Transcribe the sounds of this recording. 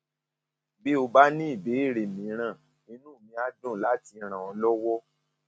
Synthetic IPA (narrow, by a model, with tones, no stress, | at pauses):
bi˦o˧ba˦nĩ˦i˦˨be˨˦i˦˨ɾe˨mĩ˨˦ɾ̃ã˦˨ | ĩ˧nũ˦˨mĩ˧a˦dõ˦˨la˨˦ti˧ɾ̃ã˨ɔ˧lɔ˦wɔ˦